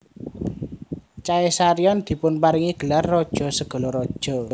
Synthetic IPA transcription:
t͡ʃaesaɾijɔnd̪̥i̤pʊnpaɾiŋiɡ̥ə̤larːɔd̥ʒ̥ɔ̤səɡ̥ɔ̤lɔɾɔd̥ʒ̥ɔ̤

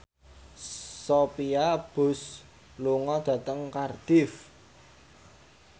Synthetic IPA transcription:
sopiab̥ʊ̤s | luŋɔd̪̥ä̤t̪əŋkard̪̥ɪf

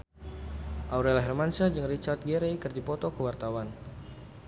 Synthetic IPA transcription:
ʔauɾɛlaɦɛrmansad͡ʒɨŋrit͡ʃart̪̚ɡɛɾɛkɨrdipɔt̪ɔkəwart̪awan

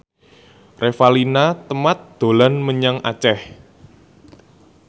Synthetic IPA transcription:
refalinat̪əmat̪̚d̪̥o̤lanməɲaŋʔat͡ʃɛh

